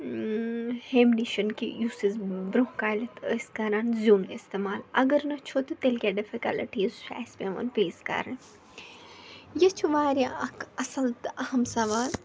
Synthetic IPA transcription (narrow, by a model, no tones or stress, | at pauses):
hemniʃɐnkḭjuːsizbɾohkaːjlɐt̪ʰəːskɐɾaːnzʲuːnɪst̪emaːlɐ̰ɡɐɾnɐt͡ʃʰot̪ɨt̪elkʲaːɖɪfikalʈizʃa̰ːspẽʋɐ̰npeːzkɐ̰ɾɐ | jɐt͡ʃʰuʋaːɾʲjaɐkɐsɐlt̪ʔɐhɐmsɐʋaːl